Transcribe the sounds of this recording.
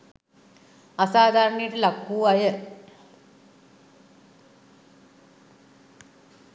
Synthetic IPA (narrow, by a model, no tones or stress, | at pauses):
asaːd̪ʱaːɾəɳejəʈəlakːuːajə